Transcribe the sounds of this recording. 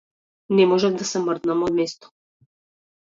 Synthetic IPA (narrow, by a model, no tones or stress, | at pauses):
nɛmɔʒɛvd̪asɛmərd̪namɔd̪mɛst̪ɔ̥